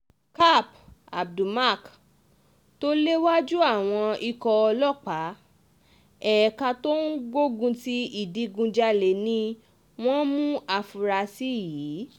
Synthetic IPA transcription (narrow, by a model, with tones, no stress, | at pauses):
ka˦˨p | a̰˨b̚du˨ma˦˨k | to˦le˦wa˦d͡ʒu˦a˦˨w̃ɔ̃˧i˧kɔ˧ɔ˧lɔ˦˨k͡pa˨˦ | ɛ˨ka˧to˦n̩˦ɡo˦ɡũ˧ti˦i˦˨di˨˧ɡũ˧d͡ʒa˧le˨nĩ˧ | w̃ɔ̃˦mũ˦a˧fu˨ɾa˧si˦˨jiː˨˦